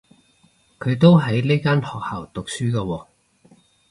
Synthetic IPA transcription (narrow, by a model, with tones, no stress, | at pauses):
kʰɵ˨˧ɥt̪o˥wɦɐ˨˥jle˥jkaː˥nhɔː˨k̚haː˨˩wt̪ʊ˨k̚syː˥kɐː˧wɔː˧